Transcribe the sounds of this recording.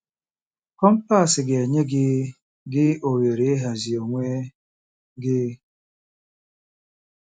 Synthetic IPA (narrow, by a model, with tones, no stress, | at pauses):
kɔ˦m̩˦pa˦˨sɪ˨ɡe˨ɲe˦ɡɪ˦ | ɡɪ˦o˨we˨ɾe˨˦e˦ɦa˨zi˨o˨ŋʷe˦ | ɡɪ˦